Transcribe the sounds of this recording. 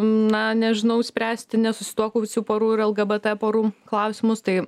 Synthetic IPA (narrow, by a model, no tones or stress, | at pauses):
nɐnʲɛʒʲɪnɐʊsʲpʲɾʲæːsʲt̪ʲɪnʲɛsʊsʲɪ̥t̪uɔkʊʋʲɪsʲuːpoːɾuːɪɾɛlˠɡɐbɛt̪ɛpoːɾuːklˠɐʊsʲɪmʊst̪ɐɪ